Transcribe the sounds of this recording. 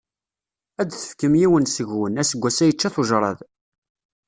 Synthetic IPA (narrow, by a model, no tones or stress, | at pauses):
æd̪θə̥fkəmjiwənsəʝwənæsəɡʷːæsæjət͡ʃːæθʊʒɾˤɑ̰ð